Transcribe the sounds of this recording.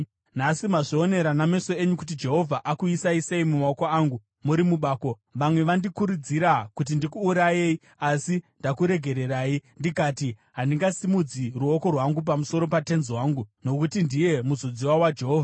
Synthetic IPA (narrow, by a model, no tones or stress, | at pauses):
nasimaʐione̞ɾaname̞so̞e̞ɲukut̬id͡ʒe̞ɦo̞vʱaʔakuisaiseimumaokoaːŋɡu | muɾimuɓaːko̞ | ʋamwe̞ʋandikuɾud͡ziɾakut̬indikuːɾaje̞i | asindakuɾe̞ɡʱe̞ɾe̞raːindikatiɦandiŋɡasimud͡ziruo̞ko̞rwaŋɡup̬amuso̞ɾo̞pate̞nzwaːŋɡuno̞kutindije̞muzod͡ziwawad͡ʒe̞ɦoːvʱa